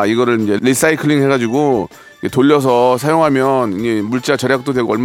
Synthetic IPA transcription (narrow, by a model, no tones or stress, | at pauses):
iɡʌɾɯɭind͡ʑe̞ɾis͈aikʰɯɭiŋɭɦe̞ɡad͡ʑiɡo | ikʰetoʎːʌs̬ʰʌsʰajoŋɦamjʌnind͡ʑe̞muɭt͡ɕ͈at͡ɕʌɾjak̚t͈odweɡoʌɭm